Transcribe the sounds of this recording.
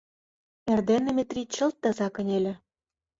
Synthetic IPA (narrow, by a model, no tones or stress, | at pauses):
erd̪enːĕmʲet̪rʲitt͡ɕə̆lt̪ːɑ̆zɑkɤ̆nʲelʲĕ